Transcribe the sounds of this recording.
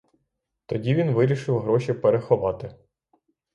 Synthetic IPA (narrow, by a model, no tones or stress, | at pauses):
t̪ɔdʲiʋʲinʋɪɾʲiʃɪwɦɾɔʃʲipeɾexɔʋɑt̪ɪ